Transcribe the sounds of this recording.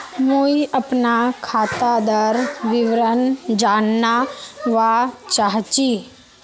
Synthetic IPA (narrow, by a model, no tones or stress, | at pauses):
muiʔəpnakʰaːt̪ad̪əɾʋɪʋɾənd͡ʒaːnːaʋat͡ʃaːɦt͡ʃiː